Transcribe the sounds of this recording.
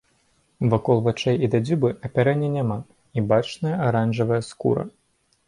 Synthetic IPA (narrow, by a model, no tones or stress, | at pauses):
vakɔlˠvat͡ʂɛjid̪ad͡zʲubɨɐpʲaɾɛnʲːɐnʲama | ibat͡ʂnɐjɐaɾanʐɐvɐjɐskṵɾɐ̰